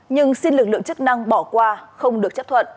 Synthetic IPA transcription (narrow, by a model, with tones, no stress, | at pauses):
ɲɨ˧ŋsi˧nlɨ˨˩k̚lɨ̰˧˨ə˨ŋt͡ɕɨ˦˥k̚na˧ŋɓɔ˧˩kwaː˧xə˧wŋ͡mɗɨ˨˩ək̚t͡ɕp̚t̪ʰə̰˧˨ʔ